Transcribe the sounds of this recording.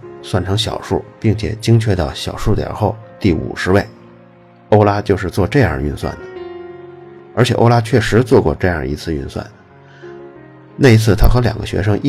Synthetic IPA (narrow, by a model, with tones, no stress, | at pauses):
swa˥˩nʈ͡ʂʰɤ˧˥ŋɕjɑ̰˨˩ʊʂu˥˩pi˥˩ŋt͡ɕʰjɛ̰˨˩t͡ɕi˥ŋt͡ɕʰɥɛ˥˧t̪ɑ˥˩ʊɕjɑ˨˩ʊʂu˥˩t̪jə̰˨˩xo˥˧ʊt̪i˥˩ṵ˨˩ʂɻ̩˧˥we˥˩ɪ | o˥ʊla˥t͡ɕjo˥˧ʊʂ̬ɻ̩˥˧t͡swɔ˥˧ʈ͡ʂɤ˥˧jɑ̰˥˧˩y˥˧nswa̰˥˩nd̪ə˩ | ə˞˧˥t͡ɕʰɛ˨˩ʔo̰˥ʊla˥t͡ɕʰɥɛ˥˩ʂɻ̩˧˥t͡swɔ˥˧kwɔ̰˥˧ʈ͡ʂɤ˥˧jɑ˥˩ḭ˧˥t͡sʰɹ̩˥˧y˥˧nswa̰˥˩n | na˥˩i˧˥t͡sʰɹ̩˥˩t̪ʰa˥xɤ˧˥ljɑ̰˨˩ŋɡə̰˦ɕɥɛ̰˧˥ʂ̬ɤ˥ŋʔi˥